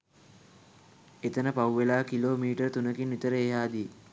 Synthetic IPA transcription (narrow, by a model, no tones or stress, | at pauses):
et̪ənəpawʋelaːkiloːmiːʈərt̪unəkinːit̪əɾəeɦaːd̪i